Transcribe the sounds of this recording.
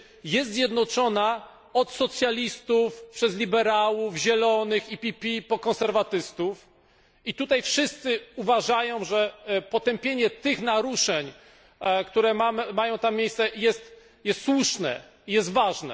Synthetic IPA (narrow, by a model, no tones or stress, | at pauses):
jɛst̪zjɛd̪nɔt͡ʂɔna | ɔt̪sɔt̪sʲjalʲist̪ufpʂɛzlʲibɛɾawuvʑɛlɔnɘxipʲipʲipɔkɔ̃nsɛɾvat̪ɘst̪uf | it̪ut̪ajfʂɘst̪sɘuvaʐajɔ̃w̃ʐɛpɔt̪ɛmpʲjeɲɛt̪ɘxnaɾuʂɛɲ | kt̪uɾɛmamajɔ̃w̃t̪amːʲjejssɛjɛst̪ | jɛst̪swuʂnɛ̰ | ijɛst̪vaʐnɛ̰